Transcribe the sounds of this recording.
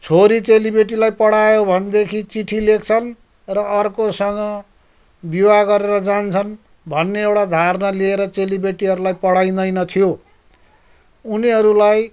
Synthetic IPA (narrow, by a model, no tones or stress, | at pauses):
t͡sʰoɾit͡selibeʈ̬ilajpʌɽajobʱʌnd̪ekʰit͡siʈʰilek̚t͡sʰʌn | rʌʔːrkosʌŋɡʌ | biwaɡʌɾeɾʌd͡zant͡sʰʌn | bʱʌnːeewɽad̪ʱarnʌlieɾʌt͡selibeʈiɦʌɾulajpʌɽaj̃d̪ʌjnʌt̪ʰijo | uniɦʌɾulaj